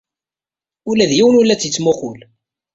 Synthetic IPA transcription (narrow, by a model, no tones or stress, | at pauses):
ʊlæðjiwənʊlːæt͡sːjit͡sːmʊχʊl